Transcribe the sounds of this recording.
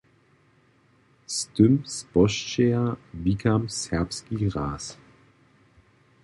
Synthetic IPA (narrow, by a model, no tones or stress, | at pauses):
stʏmsb̥ɔʃt͡ʃeavikʰamsɛɐpskiːʁaːs